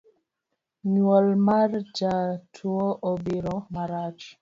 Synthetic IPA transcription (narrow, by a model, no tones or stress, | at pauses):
ɲwɔlmard͡ʒatʰuɔʔobiɾɔmaɾat͡ʃ